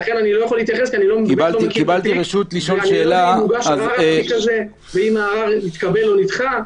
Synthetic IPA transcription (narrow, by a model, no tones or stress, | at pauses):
aχenanilo̞jaχolit̪jaχeskianilo̞kibalikibalt̪iʁeʃut̪liʃonʃeːlamuɡaʃazikaze | veimaːʁavnit̪kabe̞lo̞nit̪χa